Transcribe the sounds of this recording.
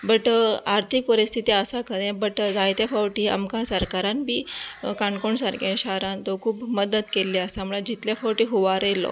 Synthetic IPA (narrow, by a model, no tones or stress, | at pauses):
bəʈaɾt̪ʰik̚pəɾist̪ʰit̪iəsakʰəɾẽbəʈd͡zajt̪jafawʈia̰mkãsəɾkaɾãnbʱiːkaɳkoɳsaɾkẽɕaɾãnt̪ɔkʰuːbməd̪ət̪kelːiasaməɭad͡ʑit̪ljafawʈiːɦuʋaɾelɔ̰